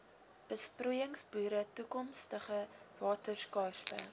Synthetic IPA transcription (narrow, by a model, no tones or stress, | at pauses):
b̥əspruːjəŋsbuːɾətukɔmstəχəvɑːtərkɑːrtə̰